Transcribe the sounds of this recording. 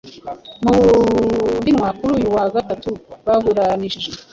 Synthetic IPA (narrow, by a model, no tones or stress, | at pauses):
mu | dimwakuɾujuwaɡatatuβaɦuɾaniʃ